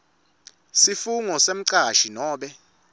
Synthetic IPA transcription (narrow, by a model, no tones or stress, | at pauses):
sifuŋɔsem̩ǀaʃinɔːɓɛ